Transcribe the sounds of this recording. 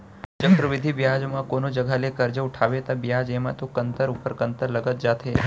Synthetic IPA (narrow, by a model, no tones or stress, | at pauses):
t͡ʃəkɾəʋɪd̪ʱibjad͡ʒmãkonod͡ʒəɡʱalekəɾd͡ʒəuʈʰaʋet̪abjad͡ʒemã̰t̪okənt̪əɾupəɾkənt̪əɾləɡət̪̚d͡ʒat̪ʰe